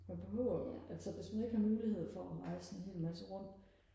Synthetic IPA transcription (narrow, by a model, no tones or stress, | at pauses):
jæb̥eɦɔʊ̰ʔælsɒʋe̝smæne̝ɡ̥hɑ̈muːlihe̝ð̞̰ˠfɒ̽ʔæʁɑ̈ɪsɒnenhe̝̰ːlmæsəʁɔ̽n̰̥